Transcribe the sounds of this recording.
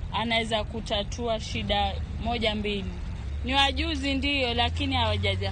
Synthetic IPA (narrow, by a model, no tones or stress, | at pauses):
anawɛzakutatʰuaʃiɗa | mɔʄambili | niwaʄuzindijɔlakinihawaʄaʄa